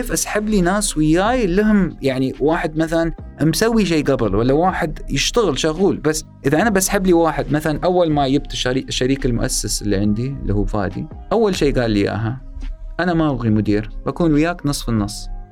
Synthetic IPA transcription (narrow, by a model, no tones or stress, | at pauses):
keːfʔasħabːlinaːswɪjːaːjɪlːɪɦʊmjaʕniwaːħɪd̪̚maθalan | msawːiʃ̬eːɡabɪlwalːawaːħɪd̪jɪʃt̪aɣɪlʃʊɣuːlbasː | ʔɪðaʔanabasħabːliwaːħɪd̪maθalanʔawːalmajɪb̚t̪ɪʃaɾiːkʃːaɾiːkalmʊ̰ʔa̰sːasɪlːḭʕɪnd̪ilːḭhuːfa̰ːd̪ḭ | ʔawːalʃeːɡaːlːija̰ːɦa | ʔanamaʔabɣimʊd̪iːɾbakuːnwɪjaːknɨsˤfɪnːɑsˤː